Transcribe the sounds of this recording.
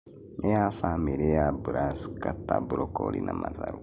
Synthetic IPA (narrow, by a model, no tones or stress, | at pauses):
nejafameɾejabuɾaskatabuɾokolinamataɾu